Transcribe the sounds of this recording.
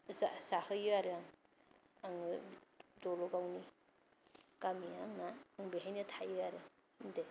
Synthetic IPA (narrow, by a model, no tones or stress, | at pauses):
zazahɯjɯaɾeaŋ | aŋɯdɔlɔɡawni | kamiaŋnaːŋbeɦajnɯtʰajɯaɾɯ | inde